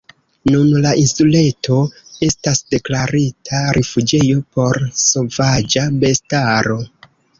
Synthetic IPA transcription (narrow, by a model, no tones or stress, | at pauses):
nunlaʔinsule̞to̞e̞stasd̥e̞klaɾitʰaɾʔifud͡ʒe̞jo̞po̞ɾso̞vad͡ʒabe̞staɾo̞